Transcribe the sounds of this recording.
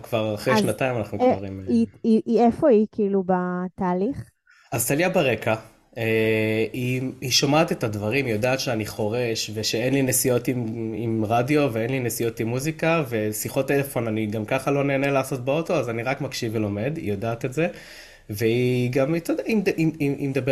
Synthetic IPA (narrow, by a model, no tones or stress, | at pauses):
kvaʁaχʁeʃnat̪aimanaχnukaʁimiiiefo̞ikʰiilubat̪aːliχ | azt̪aljabaʁe̞ka | eiiʃomaːt̪e̞tadvaʁimijodaːt̪ʃeaniχo̞ʁe̞ʃve̞ʃeenlinesijo̞timimʁadjo̞veenlinesijo̞timːuzikave̞siχo̞telefo̞naniɡamkaχalo̞neːnelaːso̞t̚beo̞to̞azaniʁakmakʃivelo̞me̞d̪ḭjodaːt̪etze̞ | veiɡamit̪od̪aimʔiiimd̪abe